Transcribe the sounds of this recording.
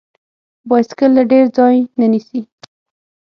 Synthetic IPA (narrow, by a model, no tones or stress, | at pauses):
bɑjskəlːaɖeɾd͡zɑjnanisi